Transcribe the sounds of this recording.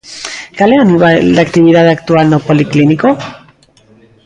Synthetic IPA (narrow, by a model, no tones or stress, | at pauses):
kaleanuβald̪akt̪iβ̞iðaðakt̪ualnopolikliniko